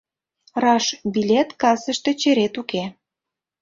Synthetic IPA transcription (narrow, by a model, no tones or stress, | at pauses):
rɑʃbilʲet̪kɑsəʃt̪e̽t͡ɕeɾet̪uke